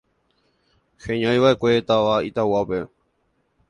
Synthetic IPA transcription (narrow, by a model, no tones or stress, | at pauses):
hẽɲãjʋaʔe̞kʷe̞t̪aʋait̪awape